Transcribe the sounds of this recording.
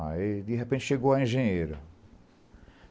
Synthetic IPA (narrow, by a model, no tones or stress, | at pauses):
aed̪iɦepẽt͡ʃɪʃeɡowaẽʒẽɲeɾɐ